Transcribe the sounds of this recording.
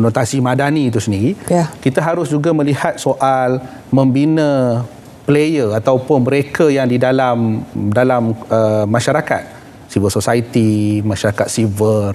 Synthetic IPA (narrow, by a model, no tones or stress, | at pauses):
not̪asimãdanĩt̪usəndiɾikit̪aɦaɾʊsd͡ʒuɡamə̃lihat̪̚soʔal | mə̃mbinã | plejərat̪awpʊnmə̃ɾekʰajaŋdidalamdalaməːãʃaɾaka̰t̪̚ | sivəlsosait̪imãʃaɾakat̪̚sivər